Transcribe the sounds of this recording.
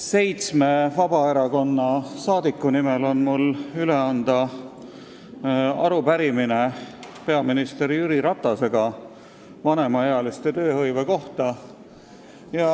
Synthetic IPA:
se̞jt̪sme̞vɑb̥ɑe̞ɾɑko̞nːɑsɑːd̪̥ikːunimelo̞nmulyle̞ɑnd̪ɑ | ɑ̰ɾupæɾiminepe̞ɑminist̪e̞ɾijyɾiɾɑt̪ːˑɑse̞ɡ̥ɑ | vɑne̞mɑeɑlist̪e̞t̪ø̞ːhɤjve̞ko̞ht̪ɑ | jɑ

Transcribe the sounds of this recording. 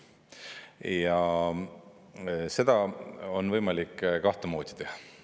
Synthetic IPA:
jɑ | se̞d̪̥ɑo̞nvɤjmɑlikːkɑht̪emo̞ːd̪̥ʲi̥t̪ehɑ

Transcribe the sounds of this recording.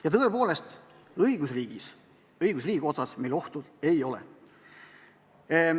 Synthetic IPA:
jɑt̪ɤepo̞ːle̞st̪ | ɤjɡ̥usriːɡ̥is | ɤiɡ̥us̬riːɡʲio̞t̪sɑsme̞lo̞ht̪ud̪̥ejo̞lḛ

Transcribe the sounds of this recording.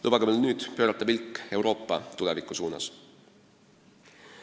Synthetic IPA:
ubɑɡɑmelnyːd̪̥pø̞ːɾɑt̪ːˑɑpilkːˑe̞wɾo̞ːpˑːɑt̪ulɛvikːˑusuːnɑ̰s

